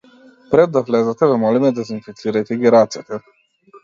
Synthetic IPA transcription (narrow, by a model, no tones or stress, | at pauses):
pɾɛd̪ːavlɛzat̪ɛvɛmɔlimɛd̪azinfit̪siɾajt̪ɛɡiɾat̪sɛt̪ɛ